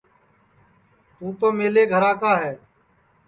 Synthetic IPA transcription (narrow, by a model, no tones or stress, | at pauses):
tuːpəmeːleːɡʱəɾãːkaːɦɛː